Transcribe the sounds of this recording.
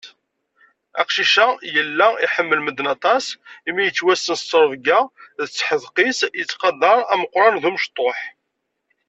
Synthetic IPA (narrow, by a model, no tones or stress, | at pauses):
æ̰qʃiʃæjəlːæiħəmːəlməd̪nɑt̪ˤɑsimijət͡sːwæsːənsːəɾˤvɡæðət͡sːħəðˤqisjət͡sːqɑd̪ɑɾˤæməqːɾˤɑnðuməʃt̪ˤːoħ